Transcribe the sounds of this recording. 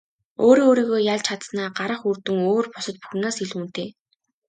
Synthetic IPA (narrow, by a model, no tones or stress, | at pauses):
oːɾiːŋoːɾiːɣoːjaɮt͡ɕʰat̪snaːɢaɾə̆χurt̪ɘ̆ŋoːrpɔsə̆t̪̚pu̥xnaːsiɮuːn̥t̪eː